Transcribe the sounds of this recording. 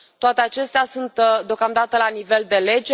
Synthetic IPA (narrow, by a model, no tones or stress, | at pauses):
t̪oat̪eat͡ʃe̞st̪easunt̪d̪eokamd̪at̪əlanive̞ld̪e̞le̞d͡ʒe